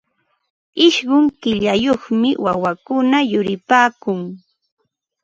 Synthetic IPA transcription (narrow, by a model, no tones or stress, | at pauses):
ɪʃɢʊŋkɪʎajoχmɪwawakʊnajʊɾɪpaːkʊŋ